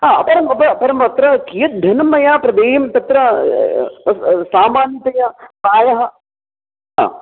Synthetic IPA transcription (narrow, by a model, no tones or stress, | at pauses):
ɦaːɐpɐɾɐmɐpɐɐpɐɾɐmpɐt̪ɾɐkijɐt̪̚d̪ʱɐnɐmːɐjaːpɾɐd̪eːjɐmt̪ɐt̪ɾɐ | ɐssaːmaːnjɐt̪ɐjapaːjɐɦɐ | ɦa̰ː